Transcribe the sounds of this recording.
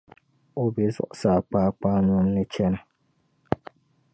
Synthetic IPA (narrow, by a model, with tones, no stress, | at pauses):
o˦bɛ˨zʊ̰˨ʔʊ˨saː˨k͡paː˦k͡paː˦nʊ˦mnɨ˦t͡ʃɛ˦nɨ˨